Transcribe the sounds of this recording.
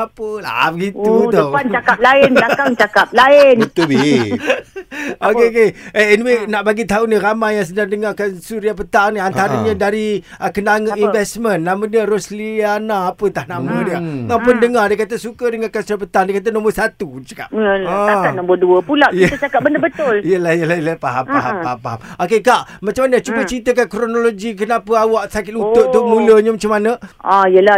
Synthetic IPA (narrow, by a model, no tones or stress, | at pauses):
apəla̰bəɡit̪ut̪əpant͡ʃakap̚laɪnakaŋt͡ʃakap̚laɪnit̪ubi | okeokeʔeniwenaʔbaɡit̪auniramajjaŋs̬ədaŋdəŋakansuɾiapət̪aŋniant̪aɾəɲadaɾi | əkənaŋəʔinvɛsmə̃nːamadiəɾoslianaːpət̪ahnammədiəŋapʊndəŋardiəkat̪əsukədəŋarkansuɾiapət̪aŋdiəkat̪̬ənõmbərsat̪ut͡ʃə̥ka̰ʔəãanəmboduəpulaʔjiət̪at͡ʃakat̪̚bəndəbət̪ʊlijəlahjəlajəlapaɦampaɦamaɦapaɦamok̬ekaʔmat͡ʃamːanət͡ʃubət͡ʃɾit̪əkankɾonoloɡik̬ənapəawaʔsakɪt̪̚lut̪ʊʔ̪ʊʔ̚muləɲəmat͡ʃamːanəaijəla